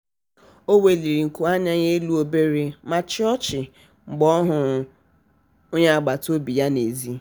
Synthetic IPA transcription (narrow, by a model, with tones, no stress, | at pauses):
o˦we˨li˨ɾi˨ŋ̩˨ku˨a˦ɲa˦ɲe˦lu˦o˦be˦ɾe˦ma˦t͡ʃɔ˦t͡ʃɪ˨ | ŋ͡m̩˨ɡ͡bɔ˦ɦʊ˨ | ʊ˦ɲa˦a˨ɡ͡ba˨to˦bi˨ja˦ne˨zi˦